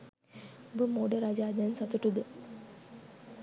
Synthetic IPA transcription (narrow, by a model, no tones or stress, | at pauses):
bəmoːɖəɾad͡ʒaːd̪ansɐt̪uʈud̪ə